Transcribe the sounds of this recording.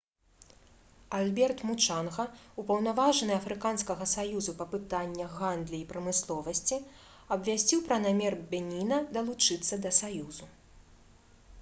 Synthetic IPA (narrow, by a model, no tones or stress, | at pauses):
alʲbʲɛrt̪mut͡ʂanɣɐupɐwnavaʐɐnɨɐfɾɨkanskɐɣɐsajuzupɐpɨt̪anʲːɐɣand̪lʲiːpɾɐmɨslˠɔvɐsʲt͡sʲi | ɐbvʲasʲt͡sʲiwpɾɐnamʲɛrbʲɛnʲinɐd̪ɐlˠut͡ʂɨt̪sːɐd̪ɐsajuzu